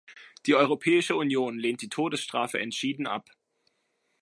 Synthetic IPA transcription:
d̥iːʔɔʏʁopʰɛːɪʃəunjoːnleːnt̚d̥iːtʰoːdəsʃtʁ̥aːfə̰ʔɛ̰ntʃiːdn̩ʔa̰p

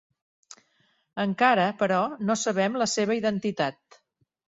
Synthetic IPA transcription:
əŋkaɾəpəɾɔnosəβ̞ɛmləseβ̞əiðənt̪it̪at̪̚

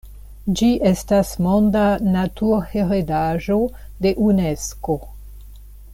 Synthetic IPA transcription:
d͡ʒiʔe̞stasmondanatuɾheɾedaʒo | de̞ʔunesko̞

